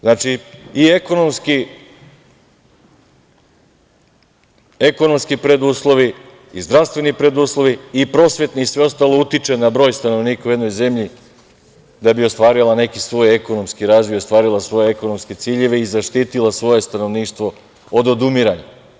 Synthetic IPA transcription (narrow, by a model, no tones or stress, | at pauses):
znaːt͡ʃiieko̞no̞mski | eko̞no̞mskipɾe̞d̪uːslˠo̞ʋi | izd̪ɾaʋst̪ʋe̞nipɾe̞d̪uslˠo̞ʋiːpɾo̞sʋe̞t̪niːsʋe̞o̞st̪aːlˠo̞ut̪it͡ʂe̞nabɾo̞ːjst̪ano̞ʋniːkaujed̪no̞jze̞mʎi | d̪abio̞st̪ʋaːɾilˠane̞kisʋo̞ːje̞ko̞nomskiɾaːzʋojost̪ʋaːɾilˠasʋo̞je̞eko̞no̞mske̞t̪siːʎe̞ʋeizaʃt̪iːt̪ilˠasʋo̞je̞st̪ano̞ʋniːʃt̪ʋo̞ | od̪o̞d̪umiɾaɲa